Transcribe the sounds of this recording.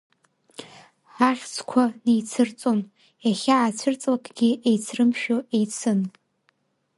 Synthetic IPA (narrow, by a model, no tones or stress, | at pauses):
ħaχʲt͡sʰkʷʰanijt͡sʰɨrt͡sʼon | aχʲaːt͡sʷʰɨrt͡sʼlakʼɡ̥ʲiejt͡sʰrɨmʃᶣoejt͡sʰɨn